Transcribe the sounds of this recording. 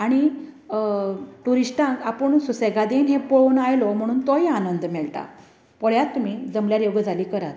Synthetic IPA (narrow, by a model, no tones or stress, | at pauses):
aɽ̃i | ʈ̪uɾiʂʈãŋkapəɳsuseɡad̪enɦepoɭnajlom̤əɽ̃uːnt̪oianənd̪mɛɭʈa̰ | pɔɭjat̪ːum̤iːd͡zəmljaɾjowɡəd͡zaliːkəɾat̪